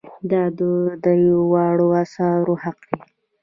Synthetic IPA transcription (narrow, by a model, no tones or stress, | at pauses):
d̪ɑd̪od̪əjawɑɽoasɑɾohaqdi